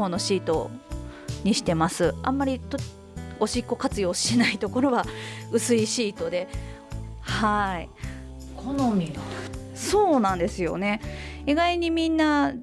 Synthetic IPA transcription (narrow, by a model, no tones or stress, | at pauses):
õ̞nːo̞ɕiːt̪o̞̰ | ɲ̟iɕi̥t̪e̞masɨã̰mːaɾʲit̪o | o̞ɕikːo̞kat͡sɨjo̞ːɕi̥t̪enait̪o̞ko̞ɾo̞βaɯ̟sɨiɕiːt̪o̞d̪e̞ | hai | kʰonomʲi | so̞ːnãnd̪e̞sɨjo̞̰ne̞iɡaiɲ̟imʲĩnːa